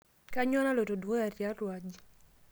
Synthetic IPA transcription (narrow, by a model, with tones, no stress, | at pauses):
ka˦ɲwɔ˦na˦lo˨to˨dwo˦a˨ɾja˦ɾwa˨d͡ʒi˦